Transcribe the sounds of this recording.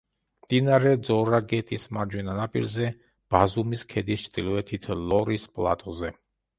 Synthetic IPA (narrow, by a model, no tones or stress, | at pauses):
md̪̥inaɾɛd̪zɔɾaɡɛt̪ʼismaɾd͡ʒwɛnanapʼḭɾzɛ | b̥azumiskʰɛd̪ist͡ʃʰt̪ʼilɔɛt̪ʰit̪ʰlɔɾispʼlˠa̰t̪ʼɔzɛ